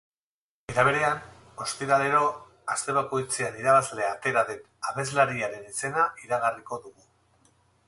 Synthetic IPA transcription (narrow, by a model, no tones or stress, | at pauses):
e̞ɾaβ̞e̞ɾe̞an | o̞spiɾale̞ɾo̞ | ast̪e̞β̞ako̞jt͡seaniɾaβazle̞at̪e̞ɾaðe̞n | aβe̞zlaɾiaɾe̞nise̞naiɾaɣariko̞ðuɣu